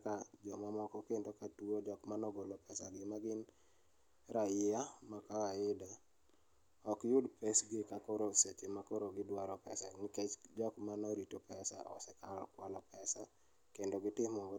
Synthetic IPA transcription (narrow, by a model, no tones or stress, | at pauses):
kad͡ʒɔmamɔkɔkendokatuod͡ʒɔkmanɔɡolopɛsaɡɪmaɡɪn | ɾajɪamakakaɪdɛ | ɔkjʊdpesɡɪkakoɾoset͡ʃemakoɾoɡɪdwaɾɔpɛ̰sanɪket͡ʃd͡ʒɔkmanɔɾitopɛsa̰ʔɔ̰sɛkaɾɔ̰kwalɔpɛsa | kendoɡɪtɪmɔŋɡɔ